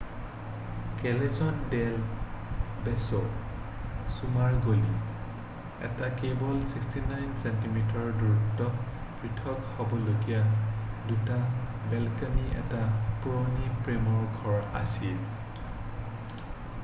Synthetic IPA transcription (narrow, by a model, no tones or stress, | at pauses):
kɛlɛzɔndɛl | bɛsɔ | sumaɹɡoli | ɛ̰takebɔlsikstinajnsɛntimitɔɹduɹutːɔ | pɹitʰɔkhɔbɔlokijaduta | bɛlkaniɛ̰tapuɹonipɹemɔɹɡʱɔɹa̰sil